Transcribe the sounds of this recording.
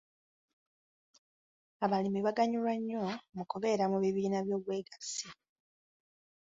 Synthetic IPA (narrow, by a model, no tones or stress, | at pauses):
aβalimiβaɡaɲulwaɲːo̞mukuβe̞ːɾamuβiβiːnaβjo̞ːβwe̞ːɡasi